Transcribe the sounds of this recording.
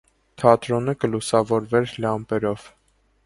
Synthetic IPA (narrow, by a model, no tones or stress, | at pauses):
t̪ʰɑt̪ɾɔnəkəlusɑvɔɾvɛɾlɑmpɛɾɔv̥